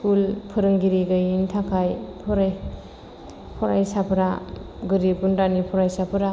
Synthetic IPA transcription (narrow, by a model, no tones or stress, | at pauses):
skulpʰɯɾɯŋɡiɾiɡɯjintʰakʰajpʰɔɾaj | pʰɔɾajsapʰɯɾaɡɯɾipundanipʰɔɾajsapʰɯɾa